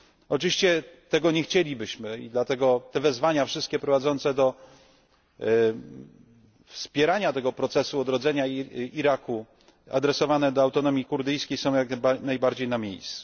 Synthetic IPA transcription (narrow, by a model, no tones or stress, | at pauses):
ɔt͡ʂɨvʲiɕt͡ɕɛt̪ɛɡɔɲɛxt͡ɕelʲibɘɕmɘḭd̪lat̪ɛɡɔt̪ɛvɛzvaɲafʂɘst̪kʲɛpɾɔvad̪zɔnt̪sɛd̪ɔ | fspʲjɛɾaɲat̪ɛɡɔpɾɔt̪sɛsuɔd̪ɾɔd̪zɛɲaiɾaku | a̰d̪ɾɛsɔvanɛd̪ɔawt̪ɔnɔmʲjikuɾd̪ɘjskʲejsɔ̃w̃jakanajbaɾd͡ʑejnamʲjḛjst̪su̥